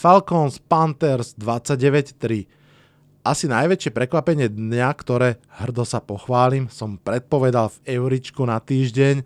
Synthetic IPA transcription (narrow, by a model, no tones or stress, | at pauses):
falkɔnspant̪ɛɾzd̪ʋat͡sːaɟɛʋɛct̪ɾi | ʔasinajʋɛt͡ʃɪɛpɾɛkʋapɛɲɪɛd̪ɲɲakt̪ɔɾɛːhr̩d̪ɔsapɔxʋaːlimsɔmpɾɛt̪̚pɔʋɛd̪alvɛʊɾit͡ʃkunat̪iːʒɟɛɲ